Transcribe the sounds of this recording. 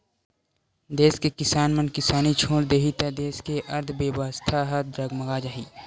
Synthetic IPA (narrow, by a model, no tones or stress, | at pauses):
d̪eːskekɪsaːnmənkɪsaːnit͡ʃʰoːɽd̪eːɦit̪ad̪eːskeʔɐɾd̪ʱbebəst̪ʰaɦəd̪ɾəɡməɡaːd͡ʒaɦiː